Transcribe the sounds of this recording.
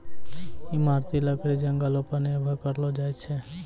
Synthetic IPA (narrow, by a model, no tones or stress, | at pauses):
imaɾt̪iləkɽid͡ʒəŋɡalopənebʱəkəɾlod͡ʒajt͡ʃʰe